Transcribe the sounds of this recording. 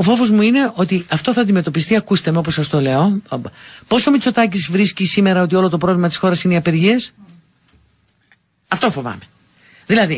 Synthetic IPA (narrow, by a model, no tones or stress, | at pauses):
ofo̞vozmuine̞ʔo̞t̪iɐft̪o̞θɐnd̪ime̞t̪o̞pist̪iɐkust̪emeo̞posɐst̪o̞le̞o̞bpo̞somit͡so̞t̪ɐcizvɾiscisime̞ɾɐo̞t̪io̞lo̞t̪opɾo̞vlimɐt̪i̥sxo̞ɾɐsineiɐpeɾʝies | ɐft̪o̞fo̞vɐ̰me̞ | ðilɐði